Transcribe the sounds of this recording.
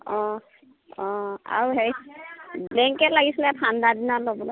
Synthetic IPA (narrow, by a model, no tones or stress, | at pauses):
ɔ̃ | ɔ̃a̰ɹuɦeɹiblɛŋkɛtlaɡisilɛpʰandadinalobɔlɔ